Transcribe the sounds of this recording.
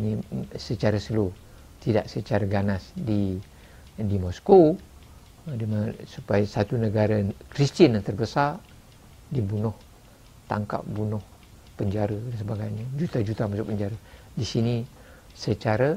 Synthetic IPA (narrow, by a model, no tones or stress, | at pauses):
nisət͡ʃaɾasəlo | t̪ida̰ʔsət͡ʃaɾaɡanasdi | dimɔsko | dimasupajasat̪unəɡaɾakɾist̪ənjant̪ərbəsar | dibunʊh | t̪a̰ŋka̰p̚bunʊh | pəɲd͡ʒaɾədansəbaɡajɲad͡ʒut̪ad͡ʒut̪amasupəɲd͡ʒaɾadisini | sət͡ʃaɾa